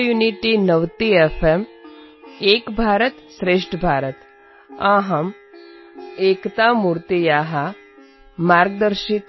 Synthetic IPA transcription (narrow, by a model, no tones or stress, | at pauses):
juniʈinɐʋt̪iefʰem | eːkbʱaːɾət̪sɾeːʂʈəbʱaːɾət̪ | aɦɐm | eːkt̪amuːɾt̪ijaːɦa | maːɾɡ̚d̪əɾʃik